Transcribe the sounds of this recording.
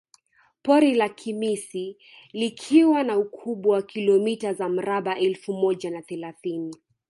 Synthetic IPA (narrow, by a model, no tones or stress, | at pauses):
pɔɾilakʰimisi | likʰiwanaukʰuɓwawakilɔmitazam̩ɾaɓaʔɛlfumɔʄanaθɛlaθini